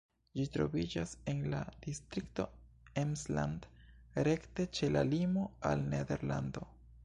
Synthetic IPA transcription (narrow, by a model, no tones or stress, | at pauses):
d͡ʒitɾo̞̰vid͡ʒase̞nla̰d̥istɾikto̞ | emsla̰nd | ɾe̞kte̞t͡ʃe̞lalimo̞a̰lnede̞ɾlando̞